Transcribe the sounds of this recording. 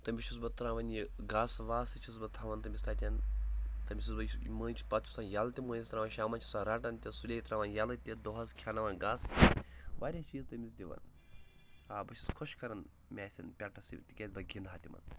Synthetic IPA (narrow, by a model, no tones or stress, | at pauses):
t̪ɐmʲiʃʰusbɐt̪ɾaːʋɐnjiɡaːsʋaːsɨt͡ʃʰisbɐt̪ʰaːʋɐnt̪ɐmʲist̪aːt̪ʲɐnt̪ɐmʲisisbɐməːnt͡ʃʰi̥pɐt̪̚t͡ʃʰu̥sanjalɐt̪ʲiməːjsʲt̪ɾaʋɐnʃaːmɐnt͡ʃʰi̥saɾaːʈɐnt̪ʲisulʲejit̪ɾaːʋɐnjalɐt̪ʲid̪oɦɐskʲʰaːnɐʋɐnɡaːs | ʋaːɾʲaːt͡ʃiːzt̪ɐmʲisd̪ʲiʋɐ̰n | aːbɐʃʰiskʰoʃkɐɾɐn | mʲaːsʲɐ̰npʲaʈɐsḭt̪ikʲesʲbɐɡʲinɦaːt̪ʲimɐ̰ns